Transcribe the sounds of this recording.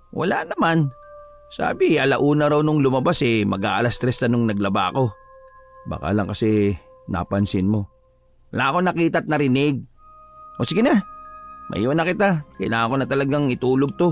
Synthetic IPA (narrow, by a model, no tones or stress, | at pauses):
wʔɐ̰lanɐman | sa̰ːbɪʔɐlaʔuːnɐɾawnʊŋlʊmɐbasɛmɐɡaʔɐlast̪ɾɛst̪ɐnʊŋnɐɡlɐba̰ɐ̰ko̞ | ba̰ːka̰lɐŋkɐsɛ | na̰pɐnsɪnmo̞ | wɐlaʔɐko̞nɐkiːt̪ɐt̪̚nɐɾɪnɪɡ̚ | ʔosɪɡɪna | mʔɐ̰ʔḭːwnɐkɪt̪akɛlaɐko̞nɐt̪ɐlɐɡaŋɪt̪uːloɡ̚t̪o̞